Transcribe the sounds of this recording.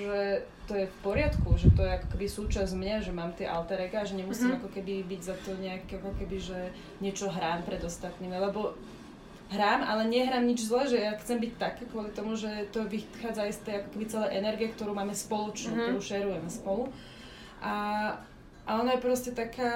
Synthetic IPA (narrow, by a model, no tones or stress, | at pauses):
ʒɛt̪ɔjɛfpɔɾɪat̪kuʒɛt̪ɔjɛakɔ̥kɛbisuːt͡ʃazmɲaʒɛmaːmt̪ɪɛʔalt̪aɾɛɡaːʒɛɲɛmusiːmakɔkɛbibiɟzat̪ɔɲɛakɛakɔkɛbiʒɛ | ɲɪɛt͡ʃɔɦɾaːmpɾɛd̪ɔst̪at̪niːmilɛbɔ | ɦɾaːmalɛɲɛɦɾaːmɲid͡ʒzlɛːʒɛjaxt͡sɛmbict̪akɛːkʋʊɔlit̪ɔmuʒɛt̪ɔʋixaːd͡zaist̪ɛjakɔ̥kɛbit͡sɛlɛʔɛnɛɾɡijɛkt̪ɔɾuːmaːmɛspɔlɔt͡ʃnuːkkt̪ɔɾuːʃɛɾujɛmɛspɔlu | ʔa | ʔaɔnajɛpɾɔscɛt̪akʰaː